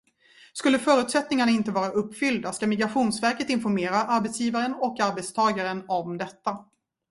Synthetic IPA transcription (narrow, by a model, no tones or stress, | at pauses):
skɵlːəfœːɾʉ̟t̪sɛt̪nɪŋaɳaɪnt̪əvɑːɾaʔɵpːfʏld̪askamɪɡɾaɧuːnsvæɾkət̪ɪnfɔɾmeːɾaʔaɾbɛt̪sjiːvaɾənɔkːaɾbɛt̪st̪ʰɑːɡaɾənɔmd̪ɛt̪ːa